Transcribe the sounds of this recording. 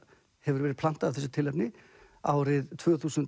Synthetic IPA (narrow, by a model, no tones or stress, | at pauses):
hɛvʏɾvɛːɾɪðplan̥t̪aavθɛsːʏ̥t̪ʰɪlɛpnɪ | aːwɾɪðt̪ʰvœːθuːsʏnt̪